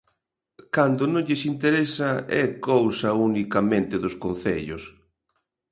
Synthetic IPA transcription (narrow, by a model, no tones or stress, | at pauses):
kand̪ʊnõŋʎɪsint̪eɾesɐɛkowsɐunikɐmẽnt̪ɪðʊskon̟θeʎʊs